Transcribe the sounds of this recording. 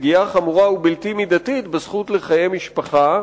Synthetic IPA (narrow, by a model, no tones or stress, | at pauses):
ɡiaχamuʁaubilt̪imid̪at̪it̪besχut̪leχajemiʃpaχa